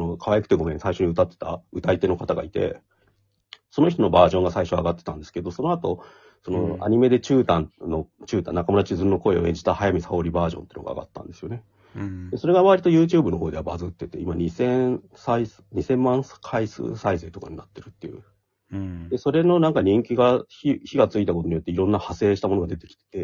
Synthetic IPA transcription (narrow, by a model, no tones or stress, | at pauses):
ono̞kʰaβajakɯ̥t̪e̞ɡo̞mẽ̞saiɕo̞ɲ̟iɯ̟t̪at̪ːe̞̥t̪a̰ɯt̪ait̪e̞no̞kat̪aɡa̰it̪e̞̰ | so̞no̞çit̪o̞no̞baːʑõ̞ŋɡasaiɕo̞aɡat̪ːe̞t̪ãnd̪esɨ̥ke̞d̪o̞so̞no̞at̪o̞ | so̞no̞̰a̰ɲ̟ime̞d̪e̞t͡ɕɨːt̪ãnnːo̞t͡ɕɨːt̪ã̰nakamoɾat͡ɕizɨɾnːo̞ko̞e̞oẽ̞ɲd͡ʑi̥t̪ahajamʲisao̞ɾʲibaːʑõ̞nt̪einoɡa̰a̰ɡa̰t̪ːã̰nd̪e̞sɨjo̞ne̞ | d̪̥e̞so̞ɾe̞ɡamaβaɾit̪ojɯ̟ːt͡ɕɨːbɯ̟no̞ɦo̞ːd̪e̞abazɨt̪ːeɯt̪ːe̞̰imaɲisẽ̞ | sais | ɲisẽ̞mːãɰ̃skʰaisɨ̰ːsaise̞ːt̪o̞kaɲinat̪ːe̞ɾɯ̟t̪ːe̞jɯ̟̰ | d̪̥e̞so̞ɾe̞no̞nãŋkaɲ̟ĩŋkʲiɡaçiçiɡat͡sɨit̪akot̪o̞ɲjo̞t̪ːeiɾõ̞nːahase̞ːɕi̥t̪amo̞noɡad̪e̞t̪e̞kʲi̥t̪e̥t̪e̞